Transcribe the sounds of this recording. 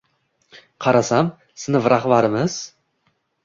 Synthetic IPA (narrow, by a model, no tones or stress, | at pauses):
qʰɑɾasam | sɨnɪvɾaχbaɾɪmɪz̥